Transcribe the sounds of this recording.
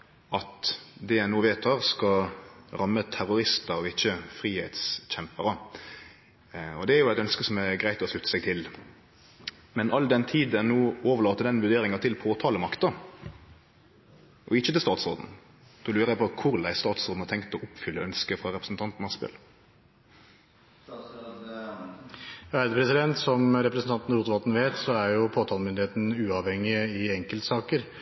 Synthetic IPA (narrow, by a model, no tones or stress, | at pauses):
ʔɑt̪d̪ɛæɪnuːʋeːt̪ʰːɑːʁskɑɾɑmːət̪ʰæɾʊɾɪst̪əɔɪçːəfɾiːheːt̪sçɛmpəɾə | ɔd̪ɛæɾjʊæɛt̪œnskəsɔmæɡɾæɪt̪ɔslʉt̪ːə̥sɛɡ̚t̪ʰɪl | mɛnʔɑld̪ɛnt̪ʰiːd̪ɛnnuːoːʋəɭɑːt̪əd̪ɛnʋʉʁd̪eːɾɪŋɑt̪ʰɪlpʰoːt̪ʰɑːləmɑkt̪ɑ | ʔɔɪçːət̪ɪlst̪ɑːt̪sʁo̰ːd̪n̩ | d̪̥ɔlʉːɾəæɪpʰɔkʰʊɾd̪æ̰ɪst̪ɑːt̪soːd̪n̩hɑt̪ɛŋkt̪ɔʔʊpfʏlːəœnskəfʁɑɾɛpɾəsn̩t̪ʰɑnt̪n̩ɑspɛ̰l | æd̪pɾɛsɪd̪ɛnt̪sɔmɾɛpɾəsn̩t̪ɑnt̪n̩ɾuːt̪ʋɑlt̪n̩ʋeːt̪sɔæɾjʊpʰoːt̪ʰɑːlmʏnd̪ɪheːt̪n̩ʉːɑʋhɛŋːɪɪɛŋkəlt̪sɑːkəɾ